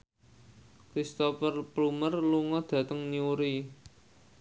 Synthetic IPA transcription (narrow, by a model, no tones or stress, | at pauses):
kɾist̪ɔpərplumərluŋɔd̪̥ä̤t̪əŋniuɾi